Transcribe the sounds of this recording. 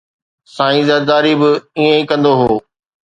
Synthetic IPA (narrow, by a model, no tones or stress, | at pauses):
sãːĩzɐd̪aːɾibɪiẽĩkɐ̃nd̪oɦoː